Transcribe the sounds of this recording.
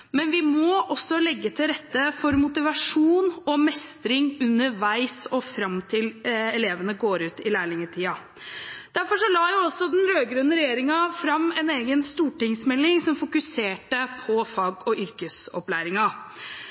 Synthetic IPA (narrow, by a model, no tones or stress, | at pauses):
mɛnʋɪmɔʔɔsːɔlɛɡːət̪ʰɪlɾɛt̪ːəfɔɾmʊt̪ɪʋɑʂuːnɔmɛst̪ɾɪŋʉnːəɾʋæɪsɔfɾɑmt̪ʰɪlɛleːʋənəɡoːɾʉːt̪ɪlæːɭɪŋəʈʰiːɑ | d̪̥æɾfɔʂɔlɑːjʊɔsːɔd̪ɛnɾøːɡɾʉnəɾɛjeːɾɪŋɑfɾɑmːɛneːɡənst̪uːʈɪŋsmɛlːɪŋsɔmfʊkʉseːʈəpʰɔfɑɡɔʔʏɾkəsɔ̰plæːɾɪŋɑ